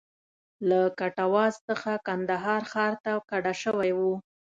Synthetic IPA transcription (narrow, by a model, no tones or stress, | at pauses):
lakaʈawɑzt͡səxakand̪aɦɑɾxɑɾt̪akaɽaʃəwajwu